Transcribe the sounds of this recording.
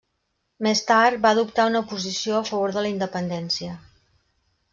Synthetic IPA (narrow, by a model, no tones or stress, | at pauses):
mest̪aɾt̪̚baðupt̪aunəupuzisioəfəβ̞oɾðələind̪əpənd̪ɛnsiə